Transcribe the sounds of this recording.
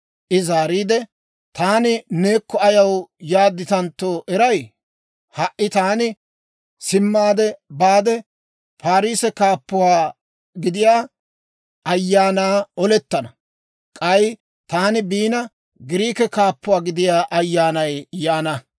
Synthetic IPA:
ʔɪzaːɾiːd̪ɛ | t̪aːnɪne̞ːkːɔɐjɐwjaːd̪ːɪt̪ɐnt̪ːoːʔɛɾɐj | hɐʔːɪt̪aːnɪ | sɪmːaːd̪ɛbaːd̪ɛ | pʰaːɾiːsɛkaːpːʊwaː | ɡɪd̪ɪjaː | ɐjːaːnaːɔlɛt̪ːɐnɐ | kʼɐj | t̪aːnɪbiːnɐ | ɡɪɾiːkɛkaːpːʊwaːɡɪd̪ɪjaːʔɐjːaːnɐjjaːnɐ

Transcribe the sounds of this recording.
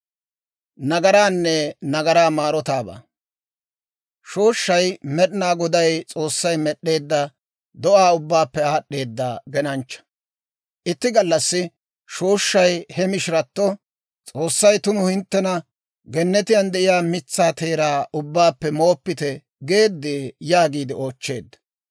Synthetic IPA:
nɐɡɐɾaːnːɛnɐɡɐɾaːmaːɾɔt̪aːba̰ː | ʃo̞ːʃːɐjmɛɗnaːɡɔd̪ɐjt͡sʼo̞ːsːɐjmɛɗːe̞ːd̪ːɐ | d̪ɔʔaːʊbːaːpːɛaːɗːe̞ːd̪ːaːɡɛnɐnt͡ʃːɐ̥ | ʔɪt̪ːɪɡɐlːɐsːɪ | ʃoːʃːɐjhɛmɪʃɪɾɐt̪ːɔ | t͡sʼo̞ːsːɐjt̪ʊnʊhɪnt̪ːɛnɐ | ɡɛnːɛt̪ɪjɐnd̪ɛʔɪjaːmɪt͡sːaːt̪e̞ːɾaːʔʊbːaːpːɛmo̞ːpːɪt̪ɛ | ɡe̞ːd̪ːeːjaːɡiːd̪ɪo̞ːt͡ʃːe̞ːd̪ːɐ̥

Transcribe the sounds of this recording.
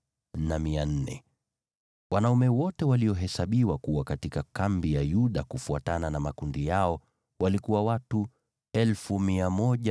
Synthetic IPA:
namian̩nɛ̰ | wanaumɛwɔtɛwaliɔɦɛsaɓiwakuwakatikakambijajuɗakufuatananamakundijaɔ | walikuwawatu | ɛlfumiamɔʄa

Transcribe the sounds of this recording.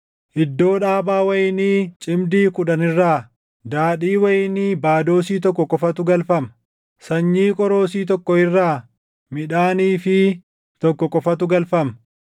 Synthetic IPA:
ʔɪd̪ːo̞ːᶑaːbaːwɐjɪniːt͡ʃʼɪmd̪iːkʊᶑɐnɪrːaː | d̪aːᶑiːwɐjɪniːbaːd̪o̞ːsiːt̪ɔkːɔkʼɔfɐt̪ʊɡɐlfɐmɐ | sɐɲːiːkʼɔɾo̞ːsiːt̪̬ɔkːɔɪrːaː | mɪᶑaːniːfɪ | t̪ɔkːɔkʼɔfɐt̪ʊɡɐlfɐmɐ

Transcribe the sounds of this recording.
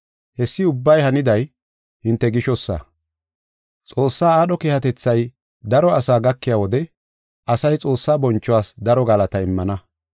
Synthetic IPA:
hɛsːɪʊbːɐjhɐnɪd̪ɐj | hɪnt̪ːɛɡɪʃɔsːa̰ | t͡sʼo̞ːsːaːaːɗɔkeːhɐt̪ɛt͡sːɐj | d̪ɐɾɔɐsaːɡɐkːɪjaːwɔd̪ɛ | ɐsɐjt͡sʼo̞ːsːaːbɔnt͡ʃːɔwaːsd̪ɐɾɔɡɐlɐt̪ɐɪmːɐnɐ

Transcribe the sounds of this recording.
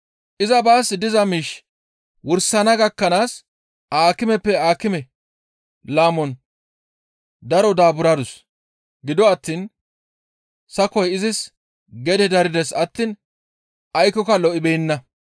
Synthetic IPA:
ʔɪzɐbaːsd̪ɪzɐmiːʃ | wʊɾsɐnɐɡɐkːɐnaːs | ʔaːkɪmɛpːɛaːkɪmɛ | laːmɔn | d̪ɐɾɔd̪aːbʊɾɐd̪ʊs | ɡɪd̪ɔɐt̪ːiːn | sɐkɔjɪzɪs | ɡɛd̪ɛd̪ɐɾɪd̪ɛsɐt̪ːiːn | ʔɐjkɔkɐlɔʔɪbɛjɪnːɐ

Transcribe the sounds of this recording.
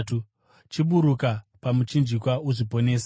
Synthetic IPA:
tu | t͡ʃiɓuɾukapamut͡ʃind͡ʒikwauʐipo̞ne̞ːsḁ

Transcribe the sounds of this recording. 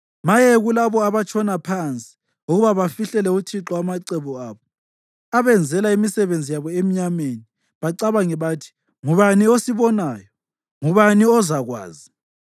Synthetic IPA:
majeɣulaβɔaβat͡ʃʰʼɔnapʰant͡sʼi̥ | uɣuβaβafiɬɛlɛutʰiǁɔamaǀɛβuaːβɔ | aβɛnd͡zʱɛlaimisɛβend͡zʱijaβɔemiɲameni | βaǀaβaŋɛβaːtʰi̥ | ŋuβaniosiβɔnaːjɔ | ŋuβaniɔzaɣwa̰ːzi

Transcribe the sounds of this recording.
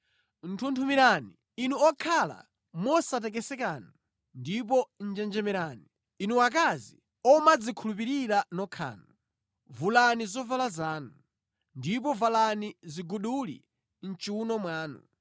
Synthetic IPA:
n̩tʰuntʰumiɾani | inuɔkʰala̰ | mɔsat̬ɛkɛsɛkaːnɔ | ndip̬ɔn̩d͡ʒɛnd͡ʒɛmɛɾaːniː | nuwak̬azi | ɔmad͡zikʰulupiɾiɾanɔkʰa̰ːnɔ | vulanizɔvalazaːnu | ndip̬ɔvalaniziɡuɗulḭ | n̩t͡ʃiunɔmwaːnṵ

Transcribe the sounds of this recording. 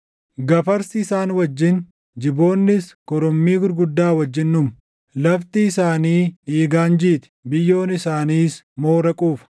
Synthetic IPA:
ɡɐfɐɾsɪːsaːnwɐd͡ʒːɪn | d͡ʒɪbo̞ːnːɪskɔɾɔmːiːɡʊɾɡʊd̪ːaːwɐd͡ʒːɪnːʊm | lɐft̪ɪːsaːniːᶑiːɡaːnd͡ʒiːt̪ɪ̥bɪjːo̞ːnɪsaːniːs | mo̞ːɾɐkʼuːfɐ̥

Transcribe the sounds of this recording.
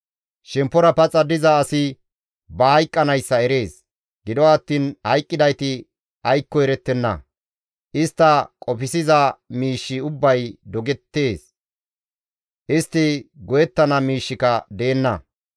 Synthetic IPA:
ʃɛmpːɔɾɐpɐt͡sʼːɐd̪ɪzɐːsɪ | bɐhɐjkʼːɐnɐjsːɐɛɾe̞ːs | ɡ̥ɪd̪ɔɐt̪ːiːnhɐjkʼːɪd̪ɐjt̪ɪ | ɐjkːɔɛɾɛt̪ːɛnːɐ̰ | ʔɪst̪ːɐkʼɔpɪsɪzɐmiːʃːɪʊbːɐjd̪ɔɡɛt̪ːe̞ːs | ʔɪst̪ːɪɡɔjɛt̪ːɐnɐmiːʃːɪkɐd̪eːnːɐ̰

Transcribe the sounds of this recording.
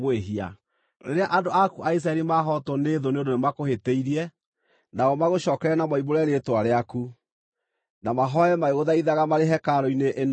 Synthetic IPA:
eɦia̰ | ɾḛɾeaʔandoakuʔais̬ɾaɛɾimaɦɔtɔneðoneodonemakoheteiɾiɛ | naɔmaɣoʃɔːkɛɾɛnamɔimoɾɛɾetwaɾeaku | namaɦɔɛmaeɣoðaiðaɣamaɾeɦɛkaɾɔineʔen

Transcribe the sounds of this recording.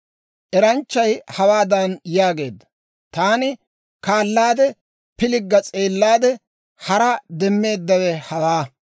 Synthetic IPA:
ʔɛɾɐnt͡ʃːɐjhɐwaːd̪ɐnjaːɡe̞ːd̪ːɐ̥ | t̪aːnɪ | kaːlːaːd̪ɛ | pɪlɪɡːɐt͡sʼe̞ːlːaːd̪ɛ | hɐɾɐd̪ɛmːe̞ːd̪ːɐwɛhɐwaː

